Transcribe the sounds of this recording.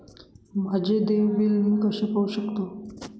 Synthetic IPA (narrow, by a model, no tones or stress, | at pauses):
mad͡ʑed̪eʋbilɦũkəɕepauɕəkt̪o